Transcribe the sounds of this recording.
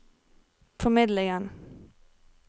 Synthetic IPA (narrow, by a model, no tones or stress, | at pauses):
fɔmɪd̪lɪŋən